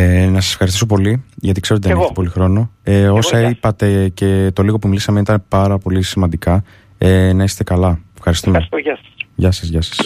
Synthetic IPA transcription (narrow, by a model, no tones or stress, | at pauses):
enɐsɐse̥fxɐɾist̪isopo̞liʝɐt̪ikse̞ɾot̪iðɐneft̪ipo̞lixɾo̞no̞eo̞sɐipɐt̪e̞ce̞t̪o̞liɣo̞pumilisɐmenit̪ɐnepɐɾɐpo̞lisimɐnd̪ikɐ | enɐise̥t̪e̞kɐlɐefxɐɾist̪umeɐɐʝɐsɐzʝɐsɐ̥s